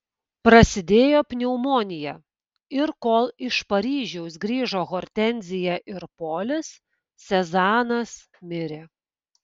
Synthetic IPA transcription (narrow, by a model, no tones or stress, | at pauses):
pɾɐsʲɪd̪ʲeːjoːpʲnʲɛʊmoːnʲɪjɛ | ɪɾkoːlˠɪʃpɐɾʲiːʒʲɛʊs̬ɡɾʲiːʒoːɣoːɾʲt̪ʲɛnʲzʲɪjɛʔɪɾpoːlʲɪsːʲ | ɛzɑːnɐs | mʲɪɾʲe